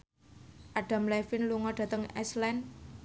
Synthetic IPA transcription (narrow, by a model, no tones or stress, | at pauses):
ʔaɖ̥a̤mlɛfɪnluŋɔɖ̥ä̤t̪əŋɛ̰slɛn